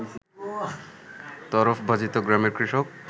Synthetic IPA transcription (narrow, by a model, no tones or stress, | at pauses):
t̪ɔɾofʰbʱad͡ʑit̪oɡɾameɾkɾiʃok̚